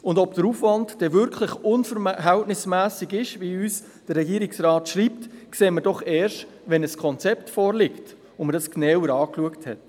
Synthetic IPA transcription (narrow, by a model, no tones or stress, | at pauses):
ʊndɔbd̥əɾuːfʋɑndd̥ɛvʏɾkʰlɪχʊnfəɾɦæltnɪsmæːsiɡɪʃʋiyːs | d̥ərːɛɡiːəɾiksrɑːtʃriːptkseːməɾdɔχɛːɾʃt | ʋɛnəskʰɔnt͡sɛptfɔːɾlɪkt | ʊnməɾdɑsknɛwəɾɑːkluəkthɛt